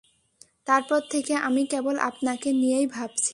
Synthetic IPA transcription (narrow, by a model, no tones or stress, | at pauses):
t̪aɾpɔɾt̪ʰekeʔamikɛbolʔa̰pnakenijejbʱabt͡ɕʰi̥